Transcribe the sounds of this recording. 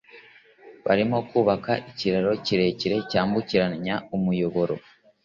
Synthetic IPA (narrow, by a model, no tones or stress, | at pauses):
βa̰ɾimo̞kuːβakaʔiciɾaɾo̞ciɾe̞ːciɾe̞caːmbuciɾaɲaumujo̞βo̞ɾo̞̰